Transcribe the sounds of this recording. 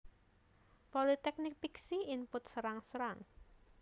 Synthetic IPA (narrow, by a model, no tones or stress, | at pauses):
polit̪ɛk̚nɪk̚piksiimpʊt̪̚səɾaŋsəɾaŋ